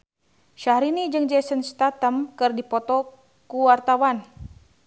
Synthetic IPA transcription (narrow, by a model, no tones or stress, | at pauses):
ʃahɾinid͡ʒɨŋd͡ʒɛsənst̪at̪əmkɨrdipɔt̪ɔ | kuwart̪awan